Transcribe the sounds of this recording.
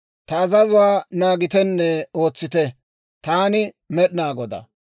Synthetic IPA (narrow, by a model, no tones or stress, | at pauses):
t̪ɐːzɐzʊwaːnaːɡɪt̪ɛnːɛo̞ːt͡sːɪt̪ɛ | t̪aːnɪ | mɛɗɪnaːɡɔd̪ɐ̰